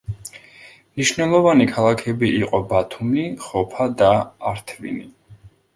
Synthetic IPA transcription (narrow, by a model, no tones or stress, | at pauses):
mniʃnɛlˠɔvanikʰalˠakʰɛbiːqʼɔbat̪ʰumniχɔpʰad̪aːɾt̪ʰvḭni